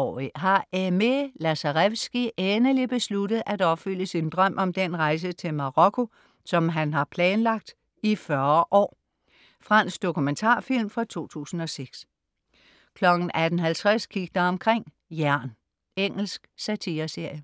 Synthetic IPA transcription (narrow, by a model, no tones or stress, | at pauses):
ɒ̰iɦɑ̈emelæsɑʁeʋsɡ̥iʔenɐlib̥e̝sludð̩ˠʔædɒ̽b̥fyl̰əsind̥ʁɶm̰ʔɒ̽md̥en̰ʁɑ̈ɪs̬ət͡sʰe̝lmɑ̈ʁɒkʰo̝ | sɒ̽mɦænɦɑ̈pʰlɛːnlɑ̈ɡ̥̚d̥ | ifɶɐʔɒ̰ː | fʁɑ̈n̰sɡ̥d̥o̝kʰument͡sʰɑ̰̈ːfil̰mfʁɑ̈t͡sʰo̝̰ːt͡sʰṵːsn̩ɒ̽seɡ̥s | kʰlɒ̽ɡ̥n̩ʔæd̥n̩ɦælt͡sʰʁaskʰiɡ̥əd̥ɐɒ̽mkʰʁeŋ̰ | jæɐ̰n | eŋ̰l̩sɡ̥sæt͡sʰiːɐse̝ɐ̰jə